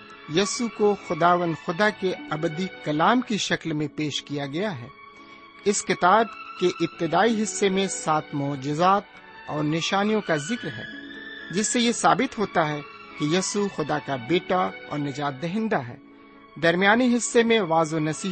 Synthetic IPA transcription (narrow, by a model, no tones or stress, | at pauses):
jɐːsukoxʊd̪aːʋə̃nd̪xʊd̪akeɐbəd̪ikɐlaːmkiʃɐklmẽpeːʃkijaɡɐjaɦɛː | ɪskɪt̪aːb̚keʔɪb̚t̪ɪd̪aːiɦɪsːemẽsaːt̪ʰmɔːd͡ʒɪzaːt̪ | ɔːɾnɪʃaːnijõkazɪkɾɦɛ̰ːd͡ʒɪsːejesaːbɪt̪ɦoːt̪aɦɛkijɐsuxʊd̪akabeːʈaɔ̰ːɾnɐd͡ʒaːt̪̚d̪ɐɦɪ̃nd̪aɦɛ̰ː | d̪ɐɾmijaːniɦɪsːemẽʋaːzonɐsiː